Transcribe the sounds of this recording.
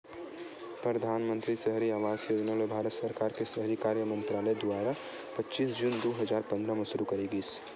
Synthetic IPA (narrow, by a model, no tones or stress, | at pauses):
pɾəd̪ʱaːnmə̃nt̪ɾisəɦɾiaːʋaːsjoːd͡ʒnaːlebʱaːɾət̪səɾkaːɾkesɐɦɾikaːɾjəmə̃nt̪ɾaːləjd̪ʊaːɾa | pɐtːʃiːsd͡ʒuːnd̪oɦɐzaːɾpɐ̃nd̪ɾamɐ̃sʊɾukɐɾiɡiːs